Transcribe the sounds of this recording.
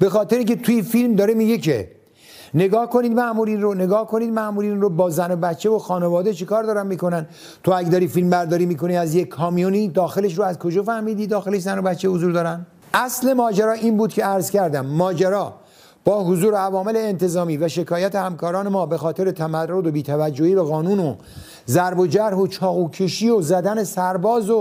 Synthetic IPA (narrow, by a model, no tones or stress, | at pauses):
be̞xɒːt̪ʰeɾeiŋkʲʰet̪ʰujifilmd̪ɒːɾemiːɡekʰḛ | neɡɒːhko̞niːd̪mæʔmuːɾiːnrone̞ɡɒːhkʰo̞niːd̪mæʔmuːɾiːnrobɒːzænobæt̪t͡ʃʰːevoxɒːnevɒːd̪e̞t͡ʃʰekɒːɾd̪ɒːɾænmiːko̞næn | t̪ʰoæɡʲed̪ɒːɾiːfilmbæɾd̪ɒːɾiːmiːko̞niæzjekʰːɒːmijoniːd̪ɒːxe̞le̞ʃ̬ɾoæzkʰod͡ʒɒfæhmiːd̪iːd̪ɒːxeleʃzænobæt̪t͡ʃʰːehozuːɾd̪ɒːɾænd̪ | ʔæsle̞mɒːd͡ʒæɾɒːʔiːnbuːd̪cʰeæɾzcæɾd̪æmːɒːd͡ʒæɾɒː | b̥ɒːɦozuːɾeævɒːme̞le̞ːnt̪ʰe̞zɒːmiːvæʃe̞kʰɒːjæt̪ʰe̞hæmkʰɒːɾɒːne̞mɒːbe̞xɒːt̪ʰe̞ɾe̞t̪ʰæmæɾrːod̪obiːt̪ʰævæd͡ʒːohiːbeɣɒːnuːno | zæɾbo̞d͡ʒæɾɦot͡ʃʰɒːɣuːkʰeʃiːozæd̪æne̞sæɾbɒːzo